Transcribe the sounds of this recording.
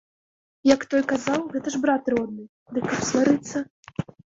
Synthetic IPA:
jɐkt̪ɔjkazawɣɛt̪ɐʐbɾat̪ɾɔd̪̚nɨ | d̪ɨkːɐpsvaɾɨt̪sːɐ

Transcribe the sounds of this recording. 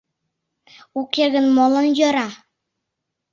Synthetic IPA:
ukʲeɡɘ̆nmɒlˠɤ̆njɤ̆ɾɑ

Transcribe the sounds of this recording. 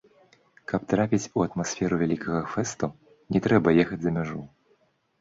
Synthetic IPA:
kɐpt̪ɾapʲit͡sʲuɐt̪masʲfʲɛɾuvʲɛlʲikɐɣɐfɛst̪u | nʲɛt̪ɾɛbɐjɛxɐd͡zʲzɐmʲaʐu

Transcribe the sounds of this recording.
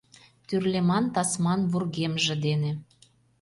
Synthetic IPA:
t̪yrlemɑnt̪ɑsmɑnβurɣemʒĕd̪enĕ

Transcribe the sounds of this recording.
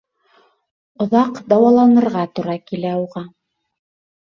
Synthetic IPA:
ŏðɑqd̪ɑwɑlˠɑnɤ̆ɾʁɑt̪uɾɑkilæuʁɑ

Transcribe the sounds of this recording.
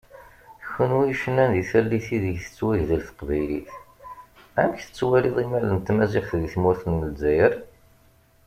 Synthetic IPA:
çənwiʃənːænðiθælːiθiðəʝθə̥t͡sːwæʝðəlθə̥qvæjliθ | æməçθə̥t͡sːwæliðˤimælənt̪mæziχθðiθmʊɾθənməlzæjəɾ

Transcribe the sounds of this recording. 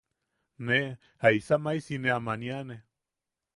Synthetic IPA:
ne | haisamajsineamaniane

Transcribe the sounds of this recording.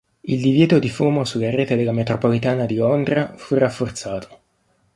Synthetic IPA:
ild̪ivjɛːt̪od̪ifuːmosulːaɾeːt̪ed̪elːamet̪ɾopolit̪aːnad̪ilond̪ɾafurafːort̪saːt̪ʰo̥

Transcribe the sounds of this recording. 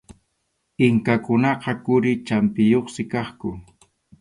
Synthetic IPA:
ɪŋkakʊnɑqɑkʊɾɪt͡ʃampɪjoχsɪkɑχkʊ

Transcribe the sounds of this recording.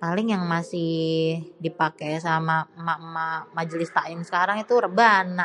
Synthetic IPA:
palɪŋjaŋmasɪhdipakesamamamamad͡ʒəlɪst̪aɪmsə̥kaɾaŋit̪urəbanːa

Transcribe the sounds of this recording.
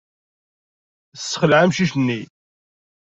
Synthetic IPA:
sːə̥χəlʕamʃiçnːi

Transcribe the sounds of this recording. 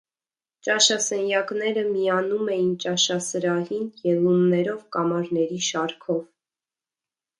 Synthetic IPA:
t͡ʃɑʃɑsɛnjɑknɛɾəmiɑnumɛjint͡ʃɑʃɑsəɾɑhinjɛlunnːɛɾɔvkɑmɑɾnɛɾiʃɑɾkʰɔv

